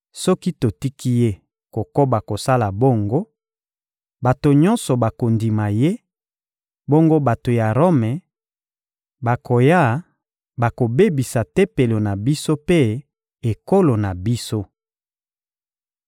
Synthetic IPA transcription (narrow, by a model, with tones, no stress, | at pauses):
sɔ˦ki˦to˨ti˦ki˦je˦ | ko˨ko˦ba˨ko˨sa˦la˨bo˦˨ŋɡo˦ | ba˨to˨ɲɔ̃˦nsɔ˨ba˨ko˨ndi˨ma˨je˦ | bo˦ŋɡo˦ba˨to˨ja˨ʁo˦mɛ˨ | ba˨kʰo˨ja˦ | ba˨ko˨be˦bi˨sa˨te˦pe˨lo˨na˨bi˦so˦pe˦ | e˨ko˦lo˨na˨bi˦so˦